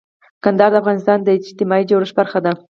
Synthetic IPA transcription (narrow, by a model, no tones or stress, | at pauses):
kand̪ɑɾd̪əafɣɑnɪst̪ɑnd̪əɪd͡ʒt̪ɪmɑid͡ʒawɾəʃbaɾxad̪a